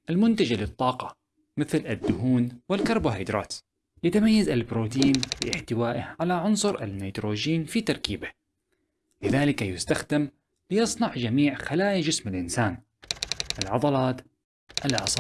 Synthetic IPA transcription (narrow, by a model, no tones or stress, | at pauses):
ʔalmʊnt̪ad͡ʒalɪt̪ˤːɑːqɑ | mɪθlad̪ːʊɦuːnwɪlkɑɾˤbʊɦajd̪ɾˤɑ̰ːt̪ | jat̪amajːazalbɾoːt̪iːnfɪ̰ʔɪħt̪ɪwaːʔɪhʕalaʕʊnsˤʊɾʔa̰nːajt̪ɾoːd͡ʒiːnfit̪ɑɾˤkiːba | lɪðaːlɪkajʊst̪axd̪am | lɪjɑsˤnɑʕd͡ʒamiːʕxalaːjad͡ʒɪsmɪlʔɪnsaːn | ʔalʕɑd̪ˤɑlɑːt̪ | ʔalʔɑsˤɑ